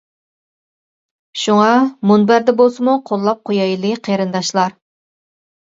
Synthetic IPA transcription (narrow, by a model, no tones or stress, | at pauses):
ʃuŋɑmunbæɾd̪ɛbolˠsɨmuqʰolˠːɑp̚qʰojɑjlˠɨqʰeɾɨnd̪ɑʃlˠɑɾ